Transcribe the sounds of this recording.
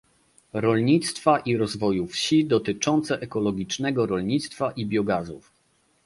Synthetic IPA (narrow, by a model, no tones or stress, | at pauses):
ɾɔlɲit̪st̪faʔiɾɔzvɔjufɕid̪ɔt̪ɘt͡ʂɔnt̪sɛʔɛkɔlɔɡʲit͡ʂnɛɡɔɾɔlɲit̪st̪faʔibʲjɔɡazṵf